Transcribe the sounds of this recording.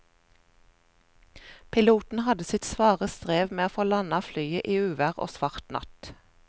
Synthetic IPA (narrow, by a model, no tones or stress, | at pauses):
pʰɪluːt̪n̩hɑd̪əsɪt̪sʋɑːʁəst̪ʁeːʋmeːoːfoːlɑnɑflyːəʔiːʉːʋæʁo̰ːsʋɑʁt̪nʔɑ̰t̪